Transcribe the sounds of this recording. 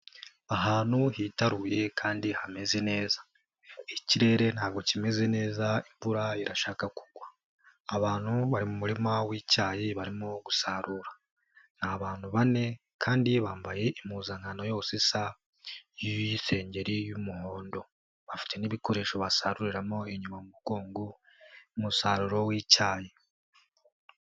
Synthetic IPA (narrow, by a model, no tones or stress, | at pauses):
aɦaːnhuhitaɾuje̞kʰaːndihame̞ze̞ne̞ːza | iciɾe̞ɾe̞n̥haːɡo̞cime̞ze̞ne̞ːzaiɱvuɾaiɾaʃaːkaku̥ɡwaː | βaːn̥huβaɾimumuɾimawiːcaːjiβaɾimoɡusaɾuɾḁ | n̥aβaːn̥huβane̞ | kʰaːndiβaːmbaje̞ʔimuːzaŋanojousisa | juise̞ːɲɟe̞ɾijumuho̞ːndo̞ | βafi̥tʰe̞niβiko̞ɾe̞ːʃo̞βasaɾuɾiɾamo̞eɲumamuβukuːŋɡu | umusaːɾuɾo̞wiːcaːje